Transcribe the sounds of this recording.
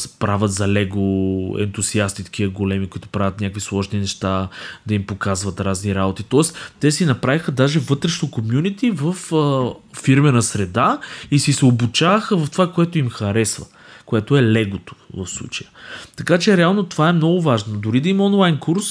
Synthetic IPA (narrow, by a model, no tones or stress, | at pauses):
spɾavʲət̪zɐlɛɡoɛ̰nt̪uziast̪it̪ɐ̥kʰiəɡolɛmikoʊit̪ʊ̥pɾavʲət̪nʲakvislˠɔʒninɛʃt̪ad̪ɐimpokazvɐt̪ɾazniɾabot̪it̪ɔɛst̪ɛsinɐpɾavixəd̪aʒɛvɤt̪ɾɛʃnokomjunit̪ivəfəfiɾmɛnɐsɾɛd̪aisisɛobut͡ʃavəxəvɐft̪ovakoɛt̪oimxɐɾɛsvə̰ | koɛt̪oɛlɛɡot̪o̥vɐ̰fslˠṵt͡ʃɐjət̪ɐkat͡ʃɛɾɛalˠnot̪ovaɛmnɔɡʊvaʒnod̪ʊɾid̪ɐimɔnlˠajnkuɾs